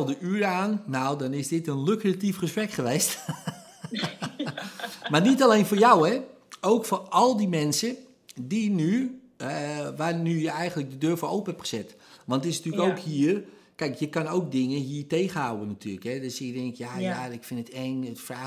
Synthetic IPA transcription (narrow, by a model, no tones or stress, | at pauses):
dəʔyəɾaːnːawdɔnɪsdɪtənløkratifχəsprɛkχəʋeːst | marnitalejnfoːɹjawɛ | oːkforɔlˠdimɛnsə | diny | ʋaːrnyjəɛjɣəntlək̚dədøːɹfoːʔowpənhɛpχə̥sɛt | ʋɑntɪsnatyːləkowkhiːər | kɛjkjəkɑnowk̚dɪŋəɦiːərteːɣəhawənːatʰyːləkhɛdøsɪk̚dɪŋkjajaɪkfɪnətɛŋətfraː